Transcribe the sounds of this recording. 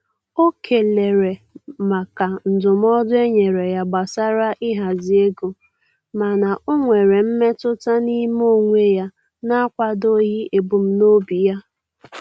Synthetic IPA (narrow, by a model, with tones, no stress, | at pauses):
o˦kʰe˨le˨ɾe˨ma˨ka˨n̩˨dʊ˨m˦ɔ˦dʊ˦e˦ɲe˨ɾe˨ja˨ɡ͡ba˨sa˦ɾa˦ʔɪ˦ɦa˨zi˨e˦ɡo˨ | ma˨na˨ʔo˦ŋʷe˨ɾe˨m̩˦me˦tʊ˦ta˦ni˦m˦o˦ŋʷe˦ja˦ | na˦a˦kʷa˦do˦ɦi˦ʔe˨bu˨m̩˦no˦bi˨ja˦